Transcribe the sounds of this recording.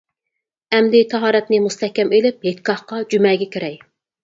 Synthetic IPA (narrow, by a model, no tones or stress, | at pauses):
ɛmd̪ɪt̪ʰɑɦɑːɾɛt̪nɪmust̪ʰɛhkʲːɛmelɪp̚ɦet̪kʰɑχqɑd͡ʒymɛɡʲɛkʲʰeɾɛj